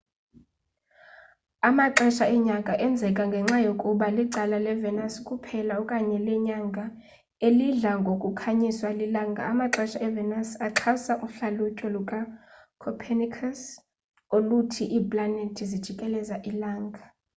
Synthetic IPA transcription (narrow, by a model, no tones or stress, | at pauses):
amaǁɛʃaɛɲakʼaʔɛnd͡zʱɛkʼaŋɡʱɛŋ͡ǁajokʼuɓaliǀalalɛvɛnaskʼupʰɛlaɔkʼaɲɛlɛɲaŋɡʱa | eliɮaŋɡʱokʼukʰaɲiswalilaːŋɡʱa̰ːmaǁɛʃaɛvɛnasaǁʰasaʔuɬalucʼɔlukʼa | kʰɔpʰɛnikʰas | olutʰiʔiːpʼlanetʰizid̥ʒ̥ʱikʼɛlɛzaʔilaːŋɡʱa